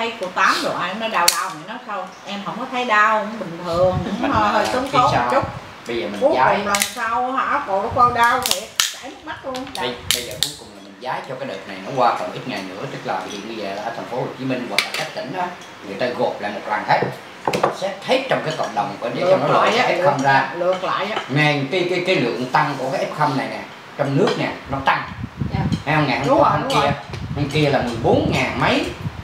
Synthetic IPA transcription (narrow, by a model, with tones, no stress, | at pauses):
ə˧˦jku˧˩ət̪aː˨˦mzo˨˩ʔa˧nə˧jɗaː˨˩wɗaː˨˩wŋa˨˩nɔ˨˦sa˧wʔɛ˧mɦə˧˩wŋ͡mkɔ˨˦t̪ʰə˨˦jɗaː˧whŋ͡mɓï˨˩ŋ̟t̪ʰɨ˨˩əŋʊ˧˦ŋ͡ma˧˩ə˧˩ɨ˨˦i˨˦saː˨˧˨t͡ɕʊ˦˥t̚ | ɓə˧jzəː˨˩mi˨˩ku˨˦ɲzaː˨˦˨jlə˨˩msa˧wha̰ː˧˩ko˨˩ɔ˨˦kɔ˧nɗaː˧wt̪ʰɛ˧˩sa˧˥m˦˥k̚ma˦˥t̚lu˧əŋːɓə˧jɓə˧jzəː˨˩ku˨˦jkʊ˨˩ŋ͡mlaː˨˩mï˨˩ŋ̟zaː˨˦jt͡ɕɔ˧kaː˨˦jɗə˨˩na˨˩jnɔ˨˦kwaː˧fə˨˩mʔi˦˥t̚ŋa˨˩jnɨ̰˧˥ət̪ɨ˦˥k̚laː˨˩ə˧t̪i˨˩ɓi˧jzəː˨˩la̰ː˧˩t̪ʰə˨˩n̟fo˨˦ho˨˩t͡ɕi˨˦mï˧ŋvaː˨˩aː˨˩ka˦˥k̚t̪ḭ˧˩ŋ̟ʔaː˨˦ | ŋɨ˨˩əjt̪aː˧ɣo˨˩p̚la̰ː˧˨mo˨˩t̚lwaː˨˩ŋt̪ʰe˦˥t̚ | sɛ˦˥p̚t̪ʰe˦˥t̚t͡ɕɔ˧wŋ͡mkaː˨˦jkə̰˧˨wŋ͡mɗə˨˩wŋ͡mne˨˧nɔ˨˦˧ʔɛː˦˥kxə˧mzaː˧lɨ̰˧˨əŋla̰ː˧˨jŋa˨˩jka˨˦jkːjkaː˨˦jlɨ̰˧˨əŋt̪a˧ŋku˧˩ək̬aː˨˦ʔɛ˦˥p̚xə˧mna˨˩jnɛ˨˩ | t͡ɕɔ˧wŋ͡mnɨ˦˥ək̚nɛ˨˩nɔ˨˦t̪a˧ŋ˧ | ha˨˦hə˧ŋ͡mŋaː˨˩hə˧ki˧əha˧˩ŋki˧əlaː˨˩mɨ˨˩əjɓo˨˦nŋaː˨˩ŋmə˨˦j